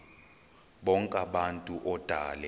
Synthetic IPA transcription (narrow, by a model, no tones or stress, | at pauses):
ɓɔŋkʼaɓantʼuʔɔd̥ʱaːlɛ